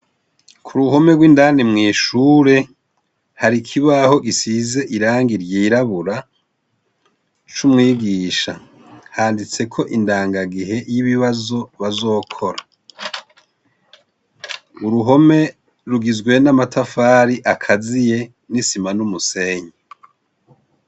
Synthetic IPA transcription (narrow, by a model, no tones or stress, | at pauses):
kʰuɾuɦo̞me̞ɡwiːndaːnimŋiːʃuːɾe̞ | haɾikʰiβaho̞ɡisize̞ʔiɾaːŋɡiɾjiːɾaβuɾa | t͡ʃumŋiːɡiːʃa | haːndit͡se̞kʰo̞ʔindaːŋɡaɡiɦe̞jiβiβazo̞βazo̞ːkʰo̞ɾa | uɾuɦo̞me̞ | ɾuɡizɡwe̞namatafaːɾiʔakʰazije̞ | nisimanumuse̞ːɲe